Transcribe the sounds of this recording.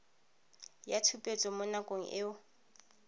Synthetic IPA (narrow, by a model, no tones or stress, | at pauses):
jatʰupʼet͡sʼɔmʊnakʼoŋ̩ʔɪʊ